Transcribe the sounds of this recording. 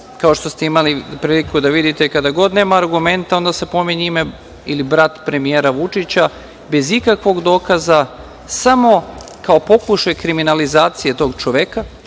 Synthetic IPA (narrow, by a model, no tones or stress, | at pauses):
kao̞ʃt̪o̞st̪e̞imalipɾiːlikud̪aʋid̪it̪ekad̪aɡo̞d̪ne̞ːmaːɾɡume̞nt̪ao̞nd̪ase̞po̞miɲime | ilibɾat̪pɾe̞mijeːɾaʋut͡ʃit͡ɕa | be̞zikakʋo̞ɡd̪o̞ːkaza | samo̞ | kao̞po̞kuʃajkɾiminalizaːt̪sije̞t̪o̞ɡt͡ʃoʋeka